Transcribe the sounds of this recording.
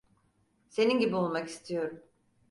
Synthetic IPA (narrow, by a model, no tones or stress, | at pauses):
se̞ninɟibiolˠmaki̥st̪ʰijo̞ɾum